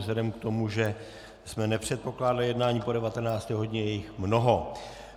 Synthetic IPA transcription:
zlɛdɛmkt̪o̞muʒɛ | smɛnɛpr̝̥ɛt̪̚po̞klaːdalɪjɛdnaːɲiːpo̞dɛvat̪ɛnaːt͡st̪ɛːɦodɲɛjɛjɪxmno̞ɦo̞

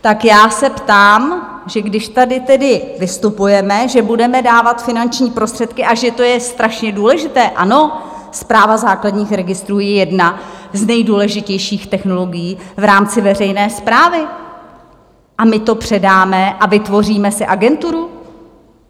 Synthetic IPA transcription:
t̪akjaːsɛpt̪aːm | ʒɛɡdɪʃt̪adɪt̪ɛdɪvɪst̪upujɛmɛʒɛbudɛmɛdaːvat̪fɪnant͡ʃɲiːpɾo̞st̪r̥ɛt̪kɪʔaʒɛt̪o̞jɛst̪ɾaʃɲɛduːlɛʒɪt̪ɛːʔano̞ | spɾaːvazaːkladɲiːxɾɛɡɪst̪ɾuːjɛjɛdnaznɛjduːlɛʒɪcɛjʃiːxt̪ɛxno̞lo̞ɡɪjiːvɾaːmt͡sɪvɛrɛjnɛːspɾaːvɪ | ʔamɪt̪o̞pr̝̥ɛdaːmɛʔavɪt̪vo̞riːmɛsɪʔaɡɛnt̪uɾu

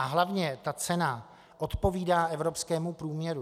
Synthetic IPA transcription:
aɦlavɲɛt̪at͡sɛna | ʔo̞t̪po̞viːdaːʔɛvɾo̞pskɛːmupɾuːmɲɛɾu

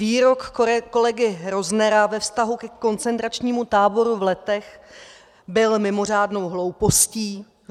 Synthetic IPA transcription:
viːɾo̞kko̞lɛɡɪɾoznɛɾavɛfst̪aɦukɛko̞nt͡sɛnt̪ɾat͡ʃɲiːmut̪aːbo̞ɾuvlɛt̪ɛx | bɪlmɪmo̞r̝aːdno̞wɦlo̞wpo̞sciː

